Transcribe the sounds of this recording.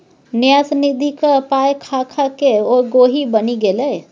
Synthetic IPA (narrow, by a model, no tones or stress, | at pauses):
njasənid̪ʱikəpajkʰakʰakeoɡoɦibəniɡeləj